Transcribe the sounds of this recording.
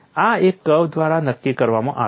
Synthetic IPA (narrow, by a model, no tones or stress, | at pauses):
aekːəwd̪ʋaɾanəkːikəɾʋamãʔa